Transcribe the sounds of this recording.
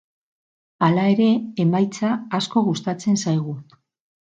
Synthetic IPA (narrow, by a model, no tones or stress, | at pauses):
alae̞ɾe̞emajt͡saːsko̞ɣust̪at͡se̞nsajɣ̞u